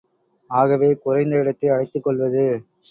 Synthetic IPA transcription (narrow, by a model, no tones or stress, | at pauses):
aːɣɐʋeːkʊɾɐɪnd̪ɐɪɽɐt̪ːɐɪɐɽɐɪt̪ːɯkːɔɭʋɐðɯ